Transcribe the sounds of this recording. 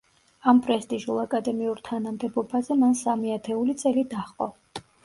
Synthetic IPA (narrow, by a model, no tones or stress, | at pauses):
ampʼɾɛst̪ʼiʒulˠakʼad̪ɛmiuɾt̪ʰanamd̪ɛbɔbazɛmansamiat̪ʰɛulit̪sʼɛlid̪aχqʼɔ